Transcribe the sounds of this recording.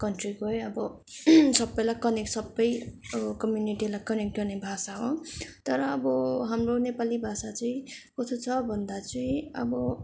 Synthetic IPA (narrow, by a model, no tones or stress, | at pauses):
kʌnʈrikojʌbʌsʌbːʌjlakʌneksʌbːʌjkʌmjuniʈilajkʌnek̚ʈɡʌrnebʱasaɦõt̪ʌɾʌːbʌɦamronepalibʱasat͡sʌĩkʌt̪ʰot͡sʰʌbʱʌnd̪at͡sʌĩʌbʌ